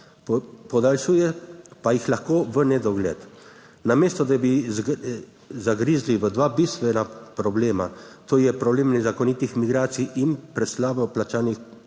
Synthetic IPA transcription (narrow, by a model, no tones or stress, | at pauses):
pɔd̪alʃuːjɛpajixlaxkoːʋənɛd̪ɔɡlɛ̰t̪ | nameːst̪ɔd̪abi | zaɡɾiːzliʋəd̪ʋaːbist̪ʋɛnapɾɔbleːma̰t̪oːjɛpɾɔbleːmnɛzakɔnit̪ixmiɡɾaːt̪sijʔinpɾɛslaːbɔplat͡ʃaːnix